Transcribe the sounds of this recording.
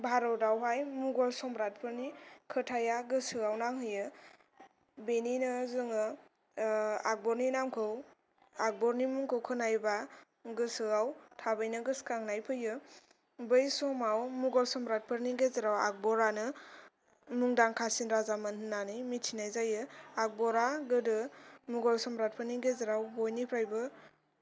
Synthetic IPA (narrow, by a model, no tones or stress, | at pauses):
bʱaɾɔwdawɦajmuɡɔlsɔmɾat̚pʰɯɾnikʰɯtʰajaɡɯsɯɣawnaŋɦɯjɯ | beninɯzɯŋɯ | ak̚bɔɾninamkʰɯw | ak̚bɔɾnimuŋkʰɯwkʰɯnajba | ɡɯsɯawtʰabɯjnɯɡɯskaŋnajpʰɯjɯ | bɯjsɔmawmuɡɔlsɔmbɾat̚pʰɯɾniɡezɯɾawa̰k̚bɔɾanɯ | muŋdaŋkʰasinɾazamanhɯnanɯjmitʰinajzajɯak̚bɔɾaɡɯdɯmuɡɔlsɔmbɾat̚pʰɯɾniɡezɯɾawbɔjnipʰɾajbɯ